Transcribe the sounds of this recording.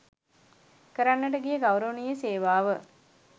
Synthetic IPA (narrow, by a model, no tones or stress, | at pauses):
kəɾanːəʈəɡijəɡaʋɾəʋənijəseːʋaːʋə